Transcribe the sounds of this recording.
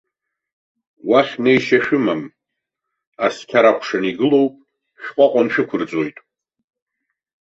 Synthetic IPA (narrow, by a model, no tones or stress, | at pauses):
waχʲnejʃaʃᶣʊmam | askʲʰaɾakʷʰʂaniɡɨlo̞wpʼ | ʃᶣqʷʼaqʷʼanʃᶣɨkʷʰʊrt͡sʼo̞jtʼ